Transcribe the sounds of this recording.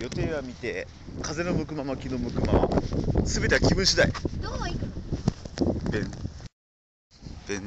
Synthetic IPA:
jo̞t̪e̞ːβamʲit̪e̞ | kaze̞no̞mɯ̟kɯ̟mamakʲino̞mɯ̟kɯ̟mama̰sɨbe̞t̪eakʲibɯ̟̃ɰ̃ɕid̪ai | b | b̥ẽ

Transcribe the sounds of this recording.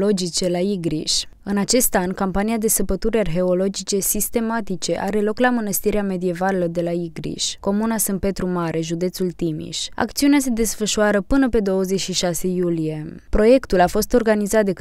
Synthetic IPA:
lo̞d͡ʒit͡ʃe̞laiɡɾiʃ | ɨnat͡ʃe̞st̪anʲkampaniad̪e̞səpət̪uɾearɦe̞o̞lo̞d͡ʒit͡ʃe̞sist̪e̞mat̪it͡ʃe̞ʔaɾe̞lo̞klamənəst̪iɾeame̞d̪ie̞valelod̪e̞laiɡɾḭʃʲko̞munasɨnpe̞t̪ɾumaɾʔe̞ʒud̪e̞t̪sult̪imḭʃʲa̰kt̪siunease̞d̪e̞sfəʃuaɾəpɨnəpe̞d̪o̞wəzet͡ʃʃiʃase̞julije̞pɾo̞je̞kt̪ulafo̞st̪o̞rɡanizat̪̚d̪e

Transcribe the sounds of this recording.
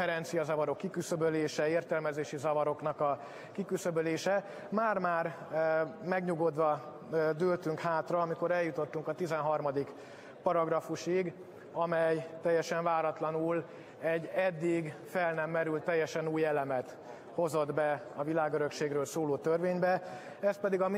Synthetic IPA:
ɛɾɛnt̪sijɒzɒvɒɾo̞kːikysøbøleːʃɛeːrt̪ɛlmɛzeːʃizɒvɒɾo̞knɒkɒ | kikysøbøleːʃɛ | maːrmaːr | mɛɡɲuɡod̪ʋɒ | d̪øːlt̪yŋkhaːt̪rɒɒmiko̞ɾɛljːut̪o̞t̪ːuŋkɒt̪izɛnɦɒrmɒd̪ik | pɒɾɒɡrɒfuʃiɡ | ɒmɛjt̪ɛjːɛʃɛɱvaːɾɒt̪lɒnul | ɛɟːɛd̪ːiɡfɛlnɛmːɛɾylt̪ːɛjːɛʃɛnuːjɛlɛmɛt̪ | ho̞zo̞d̪bɛ | ɒvilaːɡøɾø̞kʃeːɡrøːlsoːloːt̪ørveːɲbɛ | ɛst̪̚pɛd̪iɡɒm

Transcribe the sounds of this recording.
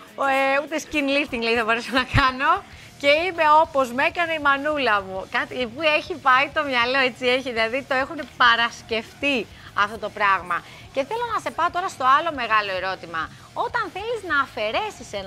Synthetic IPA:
eut̪e̞scinlift̪iŋɡliθɐbo̞ɾeso̞nɐkɐno̞ | ce̞ime̞o̞po̞zme̞kɐne̞imɐnulɐmukɐt̪ipue̞çipɐit̪o̞mɲɐlo̞e̞t͡sieçiðilɐðit̪o̞e̞xune̞pɐɾɐsce̞ft̪i | ɐft̪o̞t̪o̞pɾɐɣmɐ | ce̞θe̞lo̞nɐse̞pɐot̪o̞ɾɐst̪o̞ɐlo̞me̞ɣɐlo̞eɾo̞t̪imɐ | o̞t̪ɐnθe̞liznɐːfe̞ɾe̞sisenɐ

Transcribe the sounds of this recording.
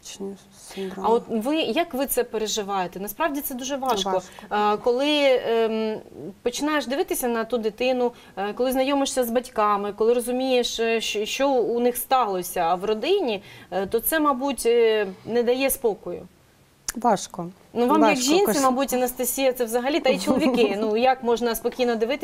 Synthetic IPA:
ɐɔt̪ʋɪjɐkʋɪt̪sɛpeɾeʒɪʋɑjet̪ɛnɐspɾɑʋdʲit̪sɛd̪uʒɛʋɑʃkɔkɔlˠɪ | pɔt͡ʃɪnɑjeʃd̪ɪʋɪt̪ɪsʲɐnɐt̪ud̪ɪt̪ɪnʊ | kɔlˠɪznɐjɔmɪʂsʲɐzbɐtʲkɑmɪkɔlˠɪrɔzʊmʲijeʃʃʃt͡ʃɔːnɪxst̪ɑlˠɔsʲɐːwrɔd̪ɪnʲit̪ɔt̪sɛmɑbutʲnɛd̪ɐjɛspɔkɔjʊ̰ | ʋɑʃkɔ | nuʋɑmjɐkʒinsʲɪmɑbutʲɐnɐst̪ɐsʲijɐt̪sɛʋzɐɦɐlʲit̪ɑit͡ʃɔlˠɔʋʲikɪnujɐkmɔʒnɐspɔkʲijnɔd̪ɪʋɪt̪ɪ

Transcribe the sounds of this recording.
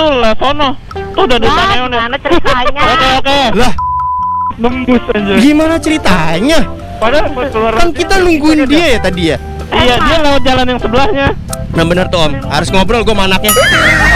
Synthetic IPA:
t̪ʊlasonɔh | t̪ʊdadipanaɔn | ɲokeokealah | dəmbʊsad͡ʒaɡimanat͡ʃəɾit̪aɲa | padaluaɾkankit̪anuŋɡuɪndiajat̪adia | ijadialaʊt̪̚d͡ʒalanjaŋsəbəlahɲa | nabənərt̪oamha̰ɾʊsŋɔbɾɔlɡuamanak̚ɲa

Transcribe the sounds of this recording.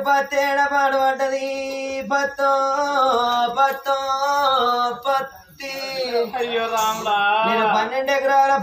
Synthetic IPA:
pɐt̪ːeːɽɐpaːɽuʋɐɳʈːɐd̪ipɐt̪ːo | pɐt̪ːo | pɐt̪ːi | meːɾupɐnːeɳɖekɐɾaʋlɐp

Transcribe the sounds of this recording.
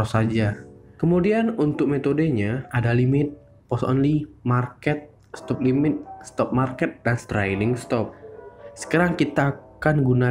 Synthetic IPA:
ɔsad͡ʒakəmudianunt̪ʊk̚met̪odeɲaadalimɪt̪̚ | pɔsɔ̰nlimarkɛt̪̚ | st̪ɔp̚limɪt̪̚st̪ɔp̚markɛt̪̚danst̪ɾajlɪŋst̪ɔp̚sə̥kaɾaŋkit̪akanɡuna

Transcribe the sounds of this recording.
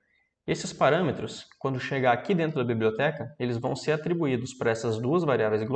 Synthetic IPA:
esɪspaɾɐ̃met̪ɾʊskwɐ̃nd̪ʊʃeɡɐakid̪ẽnt̪ɾʊd̪ɐbiblʲiot̪ɛkɐelɪzvɐ̃w̃seɾat̪ɾibuid̪ʊspaɾɐɛsɐzd̪uɐzvaɾiavejzɪɡlo

